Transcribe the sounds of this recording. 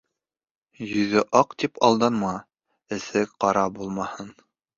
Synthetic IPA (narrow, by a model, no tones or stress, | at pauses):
jɵ̆ðɘʔɑqt̪ipʰɑlˠd̪ɑnmɑ | ɘ̆θɘkqɑɾɑbulˠmɑhɤn